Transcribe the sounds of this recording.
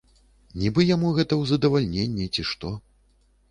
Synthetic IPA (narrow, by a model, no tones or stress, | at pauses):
nʲibɨjamuɣɛt̪ɐwzɐd̪ɐvalʲnʲenʲːit͡sʲiʂt̪ɔ